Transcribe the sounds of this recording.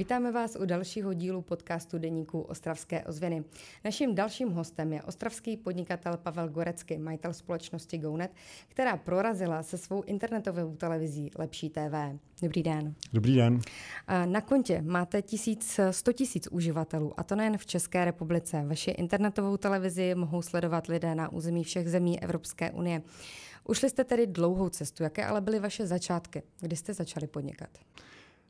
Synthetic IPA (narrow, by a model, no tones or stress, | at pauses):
viːt̪aːmɛvaːsʔudalʃiːɦo̞ɟiːlupo̞t̪kaːst̪udɛɲiːkuʔo̞st̪ɾafskɛ̰ːʔo̞zvɪnɪnaʃimdalʃiːmɦo̞st̪ɛmjɛʔo̞st̪ɾafskiːpodɲɪkat̪ɛlpavɛlɡoɾɛt͡skɪmajɪt̪ɛlspo̞lɛt͡ʃnoscɪɡownɛt̪kt̪ɛɾaːpɾoɾazɪlasɛsvo̞wʔɪnt̪ɛɾnɛt̪o̞vowt̪ɛlɛvɪziːlʔɛpʃiːt̪ɛːvɛː | do̞bɾiːdɛndobɾiːdɛn | nako̞ɲcɛmaːt̪ɛcɪsiːt͡sst̪o̞cɪsiːt͡sʔuʒɪvat̪ɛluːʔa̰t̪o̞nɛjɛnft͡ʃɛskɛːɾɛpublɪt͡sɛvaʃɪʔɪ̰nt̪ɛɾnɛt̪o̞vo̞wt̪ɛlɛvɪzɪmo̞ɦo̞wslɛdo̞vat̪lɪdɛːnaʔṵːzɛmiːfʃɛɣzɛmiːʔɛ̰vɾo̞pskɛ̰ːʔṵnɪjɛʔuʃlɪst̪ɛt̪ɛdɪdlo̞wɦo̞wt͡sɛst̪ujakɛːʔa̰lɛbɪlɪvaʃɛzat͡ʃaːt̪kɪɡdɪst̪ɛzat͡ʃalɪpo̞dɲɪ̰kat̪